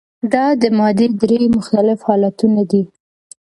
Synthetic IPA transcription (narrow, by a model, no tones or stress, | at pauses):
d̪ɑd̪əmɑd̪ed̪ɾemʊxt̪alɪfhɑlat̪unad̪i